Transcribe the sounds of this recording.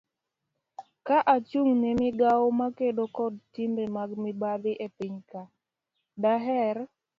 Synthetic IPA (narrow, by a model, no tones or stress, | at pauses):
kaʔat͡ʃuŋnemɪɡawomakedokɔd̚timbemaɡmibad̪ɪʔepiɲka | daɦɛɾ